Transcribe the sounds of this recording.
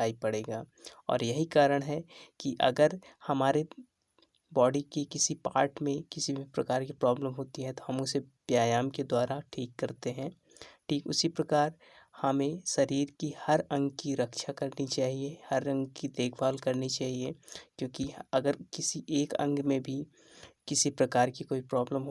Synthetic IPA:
aːipɐɽeːɡaːɔ̰ːɾjɐɦikaːɾəɽ̃ɦɛkiʔɐ̰ɡəɾhɐmaːɾe | bɔːɖikikɪsipaːɾʈmẽkɪsibʱipɾɐkaːɾkipɾɔːbləmɦoːt̪iɦɛ̃t̪oɦɐmʊsepjaːjaːmked̪waːɾaʈʰiːkːɐɾt̪eɦɛ̃ː | ʈʰiːkʊ̰sipɾɐkaːɾ | hɐmẽʃɐɾiːɾkihɐɾɐ̃ŋɡkiɾɐkʃakɐɾnit͡ʃaːɦiehɐɾɐ̃ŋɡkid̪eːkʰbaːlkɐɾnit͡ʃaːɦiekjõːkiɐɡəɾkɪsiʔeːkɐ̰̃ŋɡmẽbʱi | kɪsipɾɐkaːɾkikoːipɾɔːbləmɦo

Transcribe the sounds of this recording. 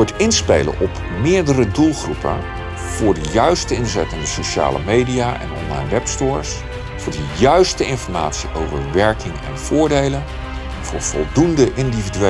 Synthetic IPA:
ɔtɪnspejlə̰nʔɔp | mɪːɹdərədulˠχrupə̰n | v̥ʊːɹdəjœɥstəɪnzɛtəndəsoʃa̰ːlə̰mejdijaːʔɛ̰nɔ̰nlɑ̰jnʋɛpstʊːɹs | v̥ʊːɹdəjœɥstəɪnfɔɹma̰ːtsiʔowvə̰ɹʋɛɹkɪŋɛ̰nv̥ʊːɹdejlən | v̥ʊːɹv̥ɔ̰lˠdundəʔɪndividy

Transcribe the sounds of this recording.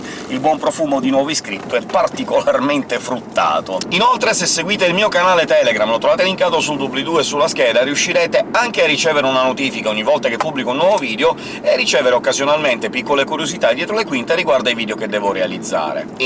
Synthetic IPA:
ilbwɔmpɾofuːmod̪inwɔviskɾit̪ːoɛpːart̪ikolarment̪efɾut̪ːa̰ːt̪oinolt̪ɾesesːeɡwiːt̪eilmiːokanaːlet̪ɛleɡɾamlot̪ɾovaːt̪eliŋkaːt̪osuld̪ublid̪uesːulaskɛːd̪ariuʃːiɾɛːt̪eaŋk̟earːit͡ʃɛːveɾeunanot̪iːfikaoɲːivːɔlt̪akepːubːlikounːwɔvoviːd̪eo | earːit͡ʃɛːveɾeokːazjonalment̪epikːolekuɾjozit̪ad̪jɛːt̪ɾolekwint̪ariɡward̪aiviːd̪eoked̪ːɛːvoɾealid̪zːa̰ːɾḛ

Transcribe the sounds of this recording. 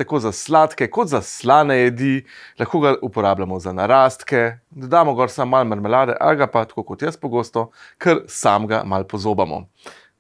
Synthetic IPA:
t̪akoːzaslaːt̪kɛkɔd̪zaslaːnɛjɛd̪ilʔaxkoːɡaʔupɔɾaːblamɔzanaɾaːst̪kɛ | d̪ɔd̪aːmɔɡɔːɾsamːalmɐɾmɛlaːd̪ɛ̰ʔa̰lɡapat̪ḁkokɔt̪jəspɔɡoːst̪ɔkʰəɾsamɡa̰malpɔzoːbamɔ̰

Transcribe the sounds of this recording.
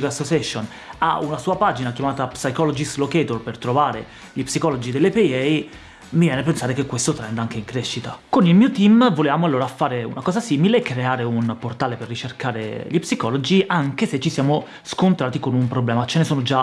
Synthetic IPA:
kasːot͡ʃɛʃon | a̰unasuːapad͡ʒinakjamaːt̪apsajkɔlod͡ʒislokɛt̪orpert̪ɾovaːɾe | ʎipsikɔlod͡ʒid̪elːepiɛj | mivjɛːnepensaːɾekekːwest̪ot̪ɾɛnd̪aŋk̟eiŋkɾeʃːit̪akonilmiːot̪imvolevaːmoalːoːɾafaːɾeṵnakɔːzasiːmileɛkːɾeaːɾeunport̪aːleperːit͡ʃerkaːɾḛʎipsikɔlod͡ʒiʔaŋk̟eset͡ʃːisjaːmo | skont̪ɾaːt̪ikonumpɾoblɛːmat͡ʃenesoːnod͡ʒa

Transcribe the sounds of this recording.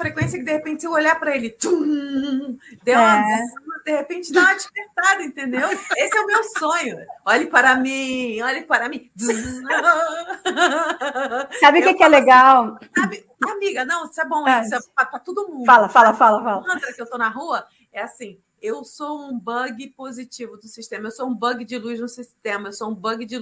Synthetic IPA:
fɾekwẽsiɐkɪd̪ehepẽnt͡ʃɪ̥sewoʎaɾpɾɐelɪd̪u | d̪ewɐ̃sɐd̪ehepẽnt͡ʃɪnɐ̃w̃ad͡ʒiveɾt̪ad̪ʊĩt̪ẽnd̪ewesɪɛʊmewsõɲʊɔʎɪpaɾɐmĩɔʎɪpaɾɐmĩd̪u | sabɪkekɪɛleɡawabɪ | amiɡɐnɐ̃w̃sɪɛbõw̃ɛsɪɛpat̪at̪od̪ʊmũfalɐfalɐfalɐfalɐ̃t̪ɾɐkɪewt̪onɐɦuɐ | ɛasĩ | ewsoũbɐɡɪpozit͡ʃivʊd̪ʊsiʃt̪ẽmɐewsoũbɐɡɪd͡ʒɪluznʊsiʃt̪ẽmɐewsoũbɐɡɪd͡ʒɪ

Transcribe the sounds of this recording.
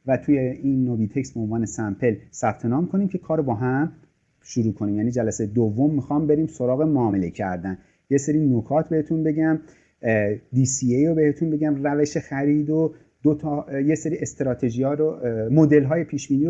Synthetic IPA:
væt̪ʰujeinːobit̪ʰe̞cst̪̚beonvɒːnesæmpʰe̞lsæb̥̚t̪ʰe̞nɒːmkʰo̞niːmcʰe̞kʰɒːɾobɒːɦæm | ʃuɾuːkʰoniːmjæːniːd͡ʒælæsejed̪ovːo̞mːixɒːmbe̞ɾiːmso̞ɾɒːɣemoɒːme̞le̞cʰæ̰ɾd̪æn | jese̞ɾiːnokʰɒːt̪ʰbe̞het̪ʰunbe̞ɟæm | d̪iːsiejɾobe̞het̪ʰunbeɟæmræve̞ʃe̞xæɾiːd̪o | d̪̥ot̪ʰɒːjese̞ɾiːe̞st̪eɾɒːt̪ʰe̞ʒijɒːɾomo̞d̪e̞lɦɒːje̞pʰiːʃbiːniːo

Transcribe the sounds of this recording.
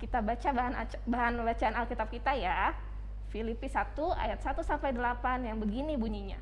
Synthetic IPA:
kit̪abat͡ʃabaɦana | baɦanəbat͡ʃaːnalkit̪ap̚kit̪aja | filipisat̪ua̰jat̪̚sat̪usampajdəlapanjaŋbəɡinibuɲiɲa

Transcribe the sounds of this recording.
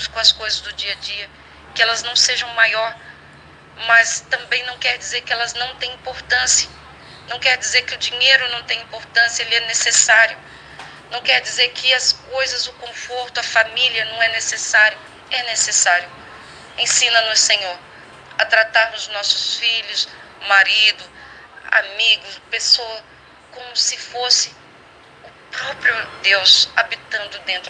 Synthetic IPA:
ʊskõɐskojzɐzd̪ʊd͡ʒiɐd͡ʒiɐ | kɪɛlɐznɐ̃w̃seʒɐ̃w̃majɔɾ | mɐst̪ɐ̃mbẽj̃nɐ̃w̃kɛɾd͡ʒizeɾkɪɛlɐznɐ̃w̃t̪ẽj̃ĩpoɾt̪ɐ̃siɐ | nɐ̃w̃kɛɾd͡ʒizeɾkɪʊd͡ʒĩɲejɾʊnɐ̃w̃t̪ẽj̃ĩpoɾt̪ɐ̃sijɐelɪɛnesesaɾjʊ | nɐ̃w̃kɛɾd͡ʒizeɾkʰɪɐskojzɐzʊkõfoɾt̪ʊɐfamiliɐnɐ̃w̃ɛnesesaɾjʊ | ɛnesesaɾjʊ | ẽsĩnɐnʊssẽɲoɾ | ɐt̪ɾat̪aɾnʊznɔsʊsfiʎʊsmaɾid̪ʊ | a̰miɡʊspesoɐ | kõmʊsɪfosɪ | ʊ | pɾɔpɾjʊd̪ewsabit̪ɐ̃nd̪ʊd̪ẽnt̪ɾ

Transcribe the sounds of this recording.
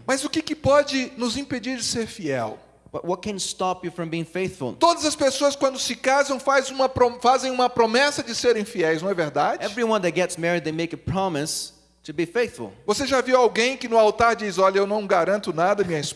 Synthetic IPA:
mɐzʊkɪkɪpɔd͡ʒɪnʊzĩped͡ʒiɾd͡ʒɪseɾfiɛ̰w | b̥ʌt̚wʌt̚kʰɨ̃nstɑpjɨfɹʌ̃mbiɪ̃ŋfeɪθfl̩ˠt̪od̪ɐzɐspesoɐskwɐ̃nd̪ʊsɪkazɐ̃w̃fazũmɐpɾofazẽj̃ũmɐpɾomɛsɐd͡ʒɪseɾẽj̃fiɛjsznɐ̃w̃ɛveɾd̪ad͡ʒɪɛvɹiwʌ̃nðɨt̚ɡ̥ɛtsmɛɹid̪ðeɪmeɪkɨpʰɹ̥ɑmɨs | tʰɨbifeɪθfə̰l̩ˠvoseʒaviwawɡẽj̃kɪnʊawt̪aɾd͡ʒizɔlɐewnɐ̃w̃ɡaɾɐ̃nt̪ʊnad̪ɐmĩɲɐis

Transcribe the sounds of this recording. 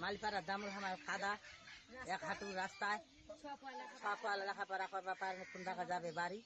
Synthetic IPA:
malipaɾad̪amuɾɦamaɾkad̪a | ɛkɦaʈuɾast̪aj | pakɔalalakʰapaɾakabapaɾmɛkund̪akad͡ʒabɛbaɾi

